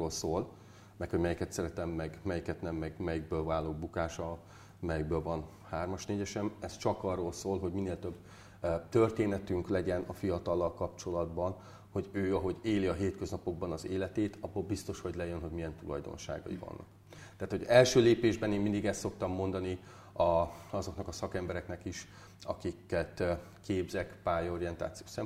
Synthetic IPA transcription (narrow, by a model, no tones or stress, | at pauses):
oːlsoːl | mɛkho̞ɟmɛjikɛt̪sɛɾɛt̪ɛmːɛɡmɛjikɛt̪nɛmːɛɡmɛjiɡ̚bøːlvaːlːoːbukaːʃɒ | mɛjiɡ̚bøːlvɒn | haːrmɒʃneːɟɛʃɛmɛst͡ʃɒkɒrːoːlsoːlɦo̞ɟmineːlt̪øbː | t̪ørt̪eːnɛt̪yŋklɛɟɛnɒfijɒt̪ɒlːɒlkɒpt͡ʃo̞lɒd̪bɒn | ho̞ɟøːɒɦo̞ɟeːliɒɦeːt̪kø̞znɒpo̞ɡ̚bɒnɒzeːlɛt̪eːt̪ɒbːoːlbist̪o̞ʃho̞ɟlɛjønɦo̞ɟmijɛnt̪ulɒ̰jd̪o̞̰nʃa̰ːɡɒ̰ḭvɒ̰nːɒ̰k | t̪ɛaːt̪ho̞ɟɛlʃøːleːpeːʒbɛneːmind̪iɡɛst̪so̞kt̪ɒmːo̞nd̪ɒni | ɒɒzo̞knɒkɒsɒkɛmbɛɾɛknɛkiʃ | ɒkikːɛt̪ | keːbzɛkpaːjo̞ɾijɛnt̪a̰ːt̪sijoːsɛm